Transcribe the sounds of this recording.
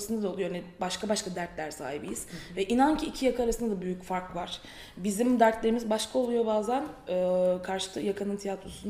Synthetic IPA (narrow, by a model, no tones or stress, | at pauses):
sɯnd̪ad̪aolˠujanibaʃkʰabaʃkʰad̪æɾt̪lʲæɾsa̰ːhibijiz̥vɛʔinancʰiːcʰijakʰaɾasɯnd̪ad̪abyjycfaɾkvaɾ̥ | bizimd̪æɾt̪lʲeimizbaʃkʰao̞lˠujo̞baːzænɯkʰaɾʃɯ̥t̪ʰˠɯjakʰanɯnt̪ʰijat̪ɾosun